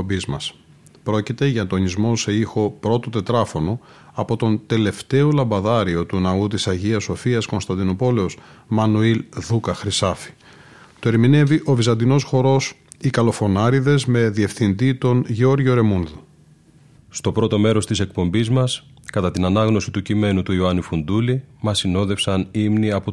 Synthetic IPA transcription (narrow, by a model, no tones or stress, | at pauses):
bizmɐs | pɾo̞cit̪e̞ʝɐt̪oɲizmo̞se̞ixo̞pɾo̞t̪o̞t̪e̞t̪ɾɐfo̞no̞ | ɐpo̞t̪o̞nt̪e̞le̞ft̪e̞o̞lɐmbɐðɐɾio̞t̪unɐut̪isɐʝiɐsːo̞fiɐsko̞nst̪ɐnd̪ino̞po̞le̞o̞smɐnuilðukɐxɾisɐfi̥ | t̪oeɾmine̞viʔo̞vizɐnd̪ino̞sxo̞ɾo̞sikɐlo̞fo̞nɐɾiðe̞zme̞ðie̞fθind̪it̪o̞nʝeo̞ɾʝo̞ɾe̞munðu | st̪o̞pɾo̞t̪o̞me̞ɾo̞st̪ise̞k̚po̞mbizmɐs | kɐt̪ɐt̪inɐnɐɣno̞sit̪ucime̞nut̪uioɐnifund̪ulimɐsino̞ðe̞fsɐnimniɐpo